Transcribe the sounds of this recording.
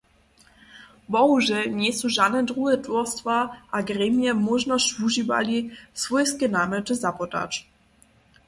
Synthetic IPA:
bɔɦuʒɛɲɛsuʒad̪nɛd̪ɾuɦɛtvɔɾst̪vaʔaɡɾɛmjɛmɔʒnɔʃvuʒiva̰lisvɔjskɛnaːmɛtɨzapɔt̪a̰t͡ʃ

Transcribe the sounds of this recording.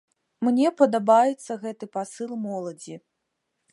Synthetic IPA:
mnʲɛpɐd̪abajɛt̪sːɐɣɛt̪ɨpasɨlˠmɔlˠɐd͡zʲi

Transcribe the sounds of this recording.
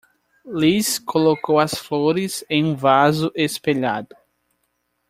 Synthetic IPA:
liskʰolokowɐsfloɾɪzẽj̃ũvazʊʔespeʎad̪ʊ

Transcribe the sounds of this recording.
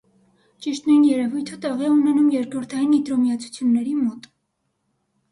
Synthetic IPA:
t͡ʃiʃt̪nujnjɛɾɛvujt̪ʰət̪ɛʁiɛunɛnumjɛɾkɾɔɾt̪ʰɑjinit̪ɾɔmiɑt͡sʰu̥t͡sʰjunːɛɾimɔt̪

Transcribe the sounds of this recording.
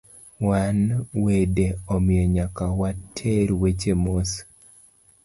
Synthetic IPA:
wanwedeɔmɪjeɲakawatʰeɾwet͡ʃemos

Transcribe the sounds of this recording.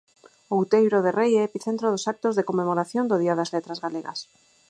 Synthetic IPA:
owt̪ejβɾoðerejɛepiθent̪ɾoðosak̚t̪ozðekomːemoɾaθjond̪oðiaðazlet̪ɾazɣaleɣa̰s

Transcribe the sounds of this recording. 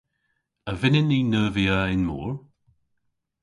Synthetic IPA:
əvɪnɪniːnəːviəɪnmṵːɹ

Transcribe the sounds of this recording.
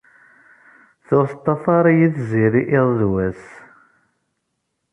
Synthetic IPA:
θʊɾθt̪ˤːɑfɑɾˤijiθziɾiʔɪðˤðwæs

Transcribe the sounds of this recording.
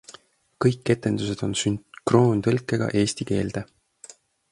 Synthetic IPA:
kɤjkːe̞t̪ːˑe̞nd̪̥use̞d̪̥o̞nsynkro̞ːnt̪ɤlkːˑe̞ɡ̥ɑ̰ʔe̞ːst̪ike̞ːld̪̥e

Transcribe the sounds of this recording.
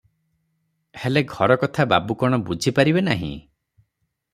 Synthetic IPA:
heleɡʱɔɾɔkɔt̪ʰababukɔɽ̃ɔbud͡ʒʱipaɾibenaɦḭ̃

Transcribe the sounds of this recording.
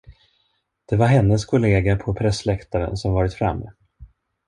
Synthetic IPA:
d̪̥ɛvaɾɦɛnːəskʰʊleːɡapʰɔpʰɾɛsːlɛkt̪aɾə̰nsɔmvɑːɾɪt̪fɾa̰mːɛ̰

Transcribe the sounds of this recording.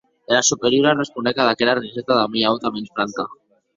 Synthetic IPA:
elasupeɾjuɾarespund̪ekaðakeɾariset̪aðamiaot̪amensfɾaŋka

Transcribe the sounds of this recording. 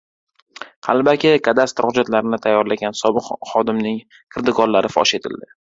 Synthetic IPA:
halˠbakʲɪkʰad̪ast̪ɾχʊd͡ʒat̪laɾɪnɪt̪ʰajːɒɾlaɡʲansɒbɨqχɒd̪ɪmnɪŋ | kʰɨɾd̪ɪɡɒllːaɾɪfɒ̰ʃe̞t̪ʰɪld̪ɪ

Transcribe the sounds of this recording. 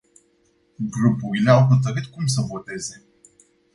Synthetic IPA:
ɡɾupuɾileawɦət̪əɾɨt̪kums̬əvot̪e̞ze

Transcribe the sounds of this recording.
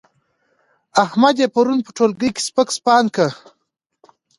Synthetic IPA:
ahmad̪jepaɾunpə̥ʈʰolɡəjke̥spəkspɑːnkə

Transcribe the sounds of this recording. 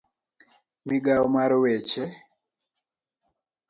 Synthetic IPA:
miɡaɔmaɾɔwɛt͡ʃɛ

